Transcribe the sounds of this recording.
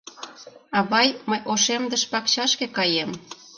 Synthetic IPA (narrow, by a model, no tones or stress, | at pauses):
ɑβɑjməjʔoʃemd̪ə̆ʃpɑkt͡ɕɑʃkekɑjem